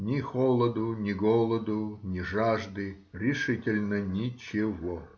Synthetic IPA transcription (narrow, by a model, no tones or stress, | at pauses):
nʲɪxolˠəd̪ʊnʲɪɡolˠəd̪ʊnʲɪʐaʐd̪ɨ | ɾʲɪʂɨtʲɪlʲnənʲɪt͡ɕɪʋo